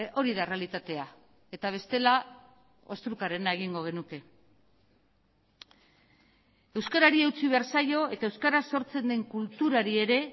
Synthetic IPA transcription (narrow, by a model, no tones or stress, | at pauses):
ʔo̞ɾiðare̞alit̪at̪e̞a | e̞t̪aβ̞e̞st̪e̞la | o̞st̪ɾukaɾe̞nae̞ɣiŋɡo̞ɣ̞e̞nuke̞ | e̞wskaɾaɾie̞wt͡siβe̞aɾsajo̞e̞t̪aewskaɾaso̞ɾt͡se̞nd̪e̞ŋkult̪uɾaɾie̞ɾe̞